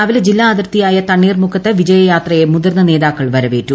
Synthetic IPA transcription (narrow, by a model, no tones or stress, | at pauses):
ɐʋiled͡ʑilːaːd̪ɐrt̪ijaːjɐt̪ɐɳːiːrmukʰɐt̪ːeʋid͡ʑɐjɐjaːt̪rɐjemud̪ɐrnːɐne̞ːðaːkːɐɭʋɐɾɐʋeːtːu